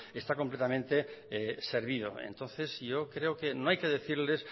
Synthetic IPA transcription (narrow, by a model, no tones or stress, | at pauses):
est̪ako̞mplet̪amẽnt̪eeseɾβ̞ið̞o̰ḛnt̪o̞nθe̞zʝokɾeokenoajkeðeθiɾles